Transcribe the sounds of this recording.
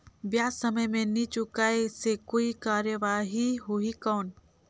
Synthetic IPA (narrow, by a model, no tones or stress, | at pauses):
bjaːsɐməjmẽnit͡ʃʊkaːesekoːikaːɾjəʋaːɦiɦuikɔːn